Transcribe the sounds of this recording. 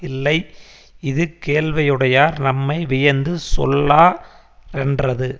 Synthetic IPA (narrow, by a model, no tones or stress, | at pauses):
ɪlːɐɪ | ɪðɯkeːlʋɐjɯɽɐjaːɾnɐmːɐɪʋɪjɐɾnd̪ɯsɔ̰lːaː | ɛndrɐðɯ